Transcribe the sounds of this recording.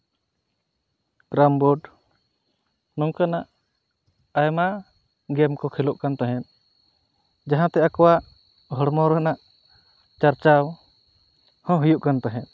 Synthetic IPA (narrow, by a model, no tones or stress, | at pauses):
ɡɾambɔɖ | nɔŋkanaʔ | ajma | ɡɛmkɔkʰɛlɔʔkant̪aɦɛ̃t̪̚ | d͡ʒaɦãt̪ɛakɔwaʔ | ɦɔɽmɔɾnaʔ | t͡ʃaɾt͡ʃaw | hɔ̃ɦujuʔkant̪aɦɛ̃t̪̚